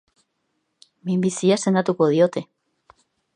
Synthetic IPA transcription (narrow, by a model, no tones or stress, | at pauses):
mimbisiase̞nd̪at̪uko̞ð̞io̞t̪e̞